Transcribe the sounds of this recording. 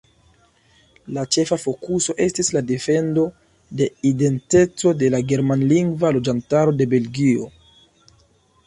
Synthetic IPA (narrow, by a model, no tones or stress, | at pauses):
lat͡ʃe̞fafo̞kuso̞ʔe̞stislade̞fe̞ndo̞ | de̞ide̞nte̞t͡so̞de̞laɡe̞ɾmanliŋɡvalo̞d͡ʒantaɾo̞de̞be̞lɡio